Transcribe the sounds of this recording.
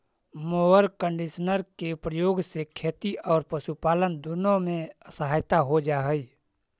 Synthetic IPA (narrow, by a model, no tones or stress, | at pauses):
moːʋəɾkə̃ɳɖiʃnəɾkeʊpɾəjoːɡsekʰeːt̪iɔːɾpəʃupaːlənd̪ʊnõmẽəsəɦaːjt̪aɦod͡ʒaːɦəiː